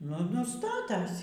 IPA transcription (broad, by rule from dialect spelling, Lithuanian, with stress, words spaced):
ˈnʊ ˈnʊ ˈstɑːtɐsʲɪ